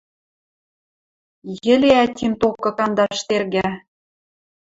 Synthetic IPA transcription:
jɘ̆leæt̪ʲimt̪okːɤ̆kɑnd̪ɑʃt̪erɣæ

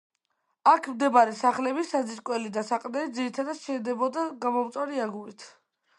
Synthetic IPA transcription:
akʰmd̪ɛbaɾɛsaχlɛbisad̪ziɾkʼwɛlid̪asaqʼnɛd̪ziɾit̪ʰad̪at̪ʃɛd̪ɛbɔd̪aɡamɔmt̪sʼwaɾiaɡuɾit̪ʰ

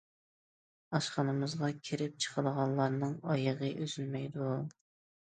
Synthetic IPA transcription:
ɑʃqɑnɨmɨzʁɑkʲʰeɾɪp̚t͡ʃʰə̥qʰəlˠʁɑnlˠɑɾnɨŋɑjəʁəʔøzylmɛjd̪u

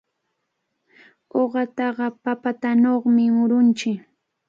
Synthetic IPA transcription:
oɢɑt̪ɑɢɑpapat̪anoχmɪmʊɾʊnt͡ʃɪk

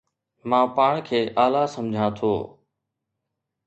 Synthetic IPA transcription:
mãːpaːɳ̃kʰeːʔaːlaːsəmd͡ʑʱãːt̪ʰoː

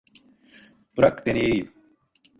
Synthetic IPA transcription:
pɾɐkt̪eni

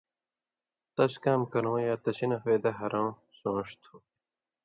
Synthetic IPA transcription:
t̪ɐɕkaːmkɐɾõːjaːt̪ɐɕinɐfeːd̪ɐɦɐɾõː | sõːʂt̪ʰũː

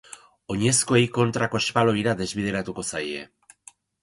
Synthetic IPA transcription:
o̞ɲe̞sko̞ejko̞nt̪ɾako̞espalo̞jɾaðe̞zβið̞e̞ɾat̪uko̞saje̞̰

